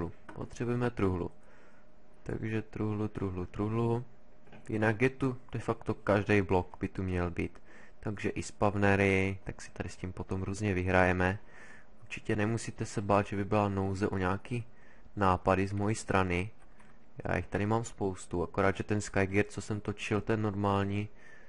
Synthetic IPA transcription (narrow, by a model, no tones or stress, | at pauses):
u | po̰t̪r̥ɛbujɛmɛt̪ɾuɦlṵ | t̪a̰ɡʒɛt̪ɾuɦlut̪ɾuɦlut̪ɾuɦlu | jɪ̰naɡjɛt̪ud̥ɛfakt̪okaʒdɛjblokbɪt̪umɲɛlbiːt̪ː | aɡʒɛʔɪspavnɛɾɪt̪aksi̥t̪adɪsciːmpot̪o̞mɾuːzɲɛvɪɦɾajɛmɛ | ʔuɾt͡ʃi̥cɛnɛmusiːt̪ɛsɛbaːd̪ʒɛbɪbɪlanowzɛʔoɲaːkiː | naːpadɪzmojist̪ɾʔanɪ | ja̰ːjixt̪adɪmaːmspowst̪uakoɾaːd̪ʒɛt̪ɛnskajɡɛɾt͡sosɛmt̪ot͡ʃɪlt̪ɛnːoɾmaːlɲiː